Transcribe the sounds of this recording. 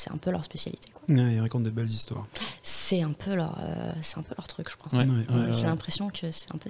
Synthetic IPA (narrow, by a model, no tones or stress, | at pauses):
sɛɛ̰̃pølœʁspesja̰lit̪ʰe̥kwawɛilʁakɔ̃t̪̚d̪ebɛlzist̪wa̰ːʁsɛɛ̃pʰølœ̰ʁø̰sɛt̪ɛ̃pølœʁt̪χykʒə̥kχwãwɛɛʒelɛ̃pχesjɔ̃kʰəsɛ̥ɛ̃pø